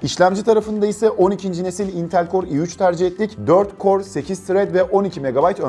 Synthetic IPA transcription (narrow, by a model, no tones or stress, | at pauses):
iʃlʲæmd͡ʒit̪ʰaɾafɯnd̪aisɛʔo̞nicʰind͡ʒine̞silʲint̪ʰælʲkʰo̞ɾiyt͡ʃt̪ʰæɾd͡ʒiɦɛt̪lʲicd̪ø̞ɾt̪kʰo̞ɾse̞cʰizsiɾɛd̪vɛʔo̞nicʰime̞ɡabajt̪ʰø